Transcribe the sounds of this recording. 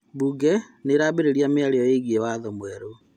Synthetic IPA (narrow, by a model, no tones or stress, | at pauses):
buɡɛneɾaːbeɾeɾjameaɾeɔjeɣiewaðɔmwɛɾo